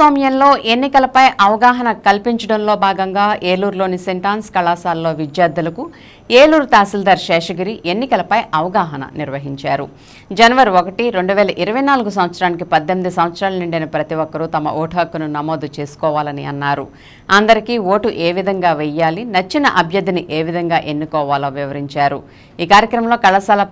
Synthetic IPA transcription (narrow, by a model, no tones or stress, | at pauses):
aːmjɐnlo̞ːʔe̞nːikɐlɐpɐjʔɐʋɐɡaːɦɐnɐkɐlpiɲt͡ʃɐɽɐnlo̞ːbʱaːɡɐŋɡaːʔeːluːɾlo̞ːniseɳʈaːnskɐlaːsaːlːo̞ːʋid͡ʒ̪jaːɾd̪ɐlɐku | eːluːɾt̪aːsild̪ɐɾʃɛːʂɐɡiɾiʔenːikɐlɐpɐjʔɐʋɐɡaːɦɐnɐ̰niɾʋɐɦiɲt͡ʃaːɾṵ | d͡ʒɐnɐʋɐɾiokɐʈiɾe̞ɳɖuʋɛːlɐʔiɾɐʋɐjnaːluɡusɐmʋɐt̪sɾaːnik̬ipɐd̪ːemid̪isɐmʋɐt̪sɾaːlɐniɳɖɐnɐpɾɐt̪iʋɔkːɐɾut̪ɐmɐ̰ʔɔːʈʰɐːkːɐnunɐmo̞ːd̪ut͡ʃe̞ːsu̥kɔːʋaːlɐniɐnːaːɾu | ɐnd̪ɐɾikiːʋo̞ːʈuʔeːʋid̪ʱɐŋɡaːʋɛjaːlinɐt͡ʃːinɐʔɐbʱjɐd̪ːiniʔe̞ːʋid̪ʱɐŋɡaːʔenːukɔːʋaːloːʋiʋɐɾiɲt͡ʃaːɾu | iːkaːɾjɐkɾɐmɐmlo̞ːkɐɭasaːlɐ